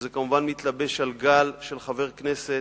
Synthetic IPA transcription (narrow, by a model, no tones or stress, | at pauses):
zekamuvanmit̪labe̞ʃalɡalʃelχave̞ʁknese